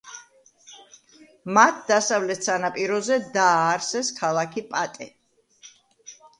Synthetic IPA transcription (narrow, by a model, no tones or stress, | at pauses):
mat̪̚ʰd̪asavlɛt̪ʰsanapʼiɾɔzɛd̪aːɾsɛskʰalˠakʰipʼat̪ʼɛ